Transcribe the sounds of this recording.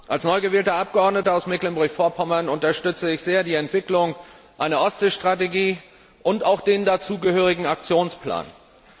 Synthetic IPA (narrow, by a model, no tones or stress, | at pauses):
ʔalsnɔʏɡəvɛːltɐʔap̚ɡ̥əɔɐdnətəaʊsmɛklənbʊɐçfoːɐpʰɔmɐnʊntɐʃtʏt͡səɪçz̥eːɐdiːɛntv̥ɪklʊŋ | ʔaɪnɐʔɔsz̥eʃtʁ̥ateɡiː | ʔʊntaʊxd̥eːndat͡suːɡəhøːʁ̞ɪɡŋ̩ak̚t͡sjoːnspʰl̥a̰ːn